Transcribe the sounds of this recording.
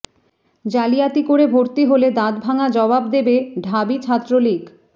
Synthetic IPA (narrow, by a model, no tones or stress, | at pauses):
d͡ʑalijat̪ikoɾebʱoɾt̪iɦoled̪ad̪bʱaŋad͡ʑɔbab̚d̪ebeɖʱabit͡ɕʰat̪ːɾolik